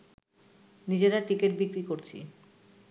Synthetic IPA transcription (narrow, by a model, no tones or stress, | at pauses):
nid͡ʑeɾaʈikeʈbikɾikoɾt͡ɕʰḭ